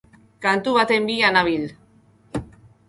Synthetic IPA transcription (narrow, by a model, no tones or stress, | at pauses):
kant̪uβat̪embianaβil